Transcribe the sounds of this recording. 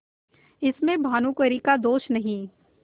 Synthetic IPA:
ɪsmẽbʱaːnũkəɾikad̪oːʃnɐɦĩː

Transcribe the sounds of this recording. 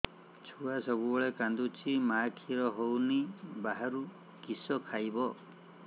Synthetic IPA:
t͡ʃʰuasɔbubɔɭekand̪ut͡ʃʰimakʰiɾɔɦownibaɦaɾu | kisɔkʰajbɔ

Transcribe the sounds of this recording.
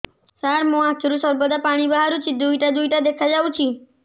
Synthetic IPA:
saɾmũat̪ʰɾusəɾbəd̪apaɽ̃ibəɦaɾũt͡ʃʰid̪ujʈad̪ujʈad̪ekʰad͡ʒaʋũt͡ʃʰi

